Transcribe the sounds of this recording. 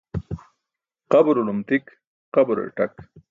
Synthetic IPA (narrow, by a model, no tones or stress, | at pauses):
qabʊɾolʊmt̪ik | qabɾḛʈak